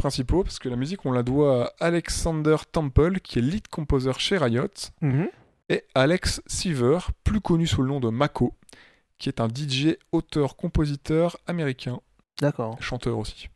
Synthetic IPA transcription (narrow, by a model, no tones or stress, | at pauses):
pχɛ̃sipopaʁsə̥kəlamyzikɔ̃lad̪waːlɛksɑ̃d̪œʁt̪ɑ̃mpœlkʲʰiɛlit̪kʰɔ̃pozœʁʃeʁajɔt̪ | ɛalɛksːivœʁplykɔnysulənɔ̃d̪əmakʰo | kʲiɛt̪ɛ̃d̪id͡ʒeot̪œʁkɔ̃pozit̪œʁameʁikʲɛ̃ | d̪akɔʃɑ̃t̪œʁosi̥